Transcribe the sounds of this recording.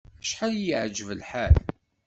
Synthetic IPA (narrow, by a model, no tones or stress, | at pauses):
æʃħaljəʕd͡ʒəvəlħal